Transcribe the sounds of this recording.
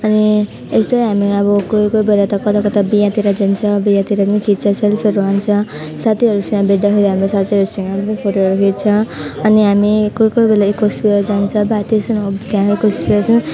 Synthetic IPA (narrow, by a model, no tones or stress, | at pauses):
ʌni | est̪ʌjɦamiʌbʌkojkojbelat̪ʌkʌt̪akʌt̪abijãt̪iɾad͡zʌnt͡sʰʌbijãt̪iɾanikʰit̪̚t͡sʰʌselpʰeɾuɦant͡sʰʌ | sat̪iɦʌɾusʌŋɡʌbeɽd̪ʌkʰeɾiɦamɾosat̪ʰiɦʌɾusʌŋɡʌnepʰoʈoɦʌɾukʰit̪̚t͡sʰʌʌniɦamikojkojbelaekospiʌɾd͡zant͡sʰʌbat̪isʌnt̪jãkekospiʌsʌ